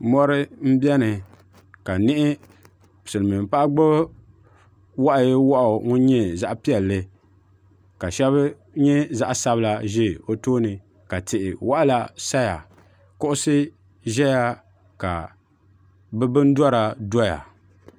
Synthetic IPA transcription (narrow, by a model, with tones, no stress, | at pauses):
mɔ˦ɾɨ˦m̩˦bɛ˦nɨ˨ | ka˨nɪ˦ʔɪ˦ | psɨ˨lɨ˨mɨ˨m˨pa˦ʔɡ͡bɨ˦b | wa˦ʔjwa˦ʔʊ˨ŋʊ˦ɲɛ˦za˦ʔpi˦ɛ˨lːɨ˦ | ka˨ʃɛ˦β | ɲɛ˦za˦ʔsa˦bɨ˦la˦ʒe˦˨o˦toː˦nɨ˨ | ka˨tɪ˨ʔɪ˨wa˦ʔla˦sa˦ja˨ | kʊ˦ʔʊ˦sɨ˦ | ʒɛ˦ja˦ | ka˨ | bɛ˦bɨ˦n˦dɔ˦ɾa˨dɔ˦ja̰˨